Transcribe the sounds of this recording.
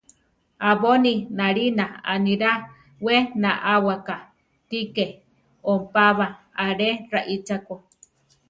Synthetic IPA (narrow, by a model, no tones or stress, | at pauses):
aβoninaɾinaaniɾa | wenaʔawaka | t̪ike | ompaβaaɾeɾaʔit͡ʃako